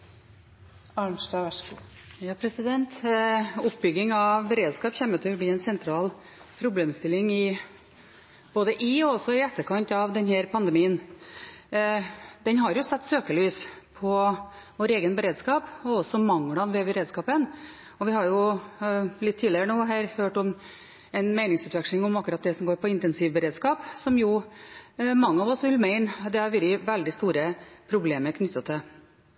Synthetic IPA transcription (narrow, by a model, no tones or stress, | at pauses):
ɑɳʂdɑʋɛʂkṵ | jɑːpʰɾɛsɪd̪ɛnt̪ | ʊpːbʏɡɪŋɑbəɾeːd̪skɑːpçɛmːət̪ʰɛɔbliːɛnsɛnt̪ʰɾɑːl | pʰɾʊbleːmst̪ɪlɪŋɪ | boːd̪əʔɪɔɔsɔɪɛt̪ʰːəɾkʰɑnt̪ɑʋd̪ɛnhæːɾpʰɑnd̪əmiːən | d̪ɛnɦɑɾjʊsɛt̪ːsøːkəlyːspʰɔʋoːɾeːɡənbəɾeːd̪skɑːpɔɔsɔmɑŋɽɑnʋɛbəɾeːd̪skɑːpən | ɔʋɪhɑɾjʊ | lɪt̪ʰːiːlɪəɾəɳoːɦæːɾhøːʈɔm | ɛnmæɪnɪŋsʉːt̪ʋɛkʂlɪŋɔmɑkːʉɾɑt̪̚d̪ɛsɔmɡoːɾpʰɔɪnt̪ɛnsiʋbəɾeːd̪skɑːpsɔmjʊ | mɑŋːəɑʋɔsʋɪlmæɪnd̪ɛæɾʋɪɾɪʋɛld̪ɪst̪uːɾəpʰɾʊbleːməɾkʰnʏt̪ːət̪ʰɪl